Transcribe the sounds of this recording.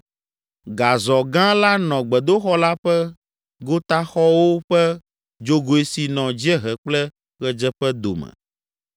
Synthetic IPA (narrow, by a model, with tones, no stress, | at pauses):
ɡa˨zɔ˨ɡã˦la˦nɔ̃˨ɡ͡bɛ˨d̪o˦xɔ˦la˦ɸɛ˦ | ɡo˦t̪a˦xɔ˦wo˦ɸɛ˦ | d͡ʒo˦ɡo˨e˦si˨nɔ̃˨d͡ʑi˦ɛ˦ɦɛ˨k͡plɛ˦ | ɣɛ˨d͡ʒɛ˦ɸɛ˦d̪o̰˨mɛ̰˨